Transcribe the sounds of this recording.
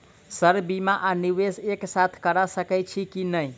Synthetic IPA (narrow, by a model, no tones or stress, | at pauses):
səɾbimaʔaniʋeseksat̪ʰkəɾasəkɛt͡ʃʰikinəj